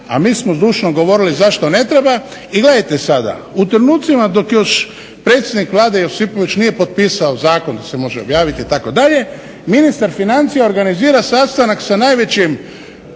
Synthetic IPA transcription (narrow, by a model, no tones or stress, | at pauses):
a̰miːsmozd̪uːʃnoɡo̞ʋo̞ɾilizaʃt̪o̞ne̞t̪ɾe̞ba | iɡle̞d̪ajt̪e̞sad̪a̰ | ut̪ɾenuːt̪simad̪o̞kjo̞ʃ | pɾe̞t̪sʲjed̪nikʋlˠaːd̪ejosipo̞ʋit͡ɕnije̞po̞t̪̚piːsao̞zaːkond̪asemo̞ʒeobjaːʋit̪iːt̪ako̞d̪aʎe̞ | minist̪aɾfinant̪sijeo̞ɾɡaniziːɾasast̪anaksanajʋe̞t͡ɕim